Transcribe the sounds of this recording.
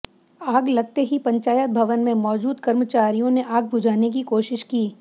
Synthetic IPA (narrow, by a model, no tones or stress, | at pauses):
aːɡlɐɡ̚t̪eɦipɐ̃ɲt͡ʃaːjət̪̚bʱɐʋənmẽmɔːd͡ʒuːd̪kɐɾmət͡ʃaːɾijõneʔaːɡ̚bʊd͡ʒʱaːnek̬ikoːʃɪʃkiː